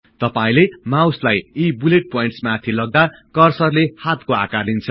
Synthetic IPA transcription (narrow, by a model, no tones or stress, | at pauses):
t̪ʌpaĩlemawslajibuleʈ̚pojiɳʈsmat̪ʰilʌɡ̚d̪a | kʌrsʌrlehat̪koa̰karint͡sʰʌ